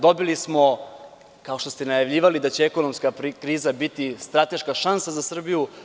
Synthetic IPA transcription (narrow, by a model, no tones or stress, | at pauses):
d̪o̞bilismo̞ | kao̞ʃt̪ost̪enajavʎiːʋalid̪at͡ɕeeɛko̞nomskapɾikɾiːzabit̪ist̪ɾat̪e̞ʃkaʃansazasr̩biju